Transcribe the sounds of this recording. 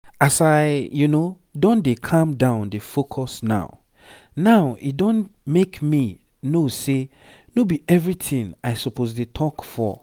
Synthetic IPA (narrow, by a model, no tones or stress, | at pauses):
asaɪjuno | dɔ̃ndekʰãmdãʊ̃ndefokʰɔsna̰ʊ | naʊḭt̚dɔ̃nmekmi | nose | nobiɛvɹitĩŋaɪsɔpʰozdetʰɔkfɔ̰